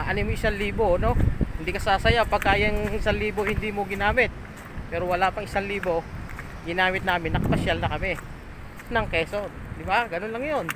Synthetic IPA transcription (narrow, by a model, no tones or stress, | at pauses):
ʔɐnɪmoʔɪsaŋliːbono̞hɪnd̪iːkɐsaːsɐjapɐɡ̚kaːjɐŋʔɪsaŋliːbohɪnd̪iːmoɡɪnaːmɪt̪̚ | pɛːɾowɐlapɐŋʔɪsaŋliːbo̞ | ɡɪnaːmɪt̪̚naːmɪnːɐkpɐʃjalnɐkɐmɛ | nɐŋkɛːso | d̪ɪbaɡɐnonlɐŋjon